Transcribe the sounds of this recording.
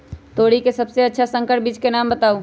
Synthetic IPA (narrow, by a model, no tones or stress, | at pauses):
t̪oːɽikesɐbseɐtːʃʰasə̃ŋkəʈ̚biːd͡ʒkenaːmbət̪aːu